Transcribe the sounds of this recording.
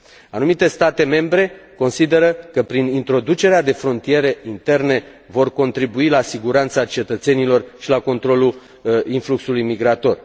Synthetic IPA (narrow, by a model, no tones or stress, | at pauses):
anumit̪e̞st̪at̪e̞me̞mbɾe̞ko̞nsid̪e̞ɾəkəpɾinint̪ɾo̞d̪ut͡ʃe̞ɾead̪e̞fɾo̞nt̪ije̞ɾeint̪e̞rne̞ | vo̞rko̞nt̪ɾibuilasiɡuɾant̪sat͡ʃe̞t̪ət̪se̞nilo̞rʃilako̞nt̪ɾo̞lu | influksulujmiɡɾat̪o̞r